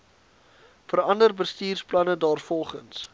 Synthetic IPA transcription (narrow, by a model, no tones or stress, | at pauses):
fərɐndərbəstiːrsplɐnədɑːrfɔlˠχəns